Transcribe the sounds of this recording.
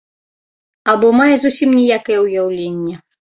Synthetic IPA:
ɐbɔmajɛzusʲimnʲijakɐjɛujawlʲenʲːɐ

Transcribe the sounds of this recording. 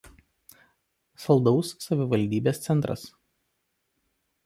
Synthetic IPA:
sɐlˠˑd̪ɒʊsːɐʋʲɪʋɐlʲd̪ʲiːbʲeːst̪sʲɛnˑt̪ɾɐ̰s

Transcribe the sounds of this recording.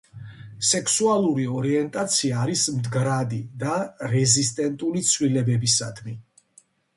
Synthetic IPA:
sɛkʰsualˠuɾiɔɾiɛnt̪ʼat̪sʰiaːɾismd̪ɡɾad̪id̪aɾɛzist̪ʼɛnt̪ʼulit̪sʰwlilɛbɛbisad̪ʰmi

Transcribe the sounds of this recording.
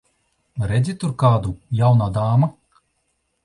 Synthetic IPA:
ɾɛd̪zʲit̪uɾkaːd̪ujawnaːd̪aːma

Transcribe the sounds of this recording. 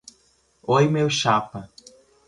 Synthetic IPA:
ojmewʃapɐ

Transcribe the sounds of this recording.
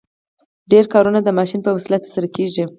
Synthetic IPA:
ɖeɾkɑɾunad̪əmɑʃinpəwasilat̪saɾakeʒi

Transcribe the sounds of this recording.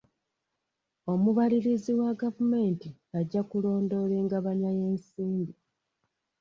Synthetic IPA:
o̞muβaliɾiziwaɡavume̞ːntiaɟːakulo̞ːndo̞le̞ːŋɡaβaɲaje̞ːnsiːmbi

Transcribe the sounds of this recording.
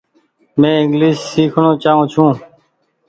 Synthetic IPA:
mẽːɪ̃ŋɡliːʃsiːkʰɳoːt͡ʃaːɦũːt͡ʃʰũː

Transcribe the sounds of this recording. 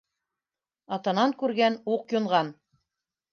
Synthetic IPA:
ɑt̪ɑnɑŋkʉɾɡænuqjŏɴʁɑn

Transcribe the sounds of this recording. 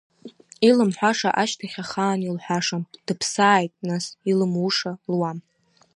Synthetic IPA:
ilɨmħʷaʂaʔaʃtʰaχʲaχaːnilħʷᶣaʂamd̥ɨpʰsaːjtʼnasilɨmuʂalwam

